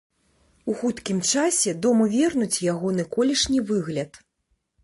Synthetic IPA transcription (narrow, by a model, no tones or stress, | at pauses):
uxut̪kʲimt͡ʂasʲɛd̪ɔmuvʲɛrnut͡sʲjaɣɔnɨkɔlʲɛʂnʲivɨɣlʲɐt̪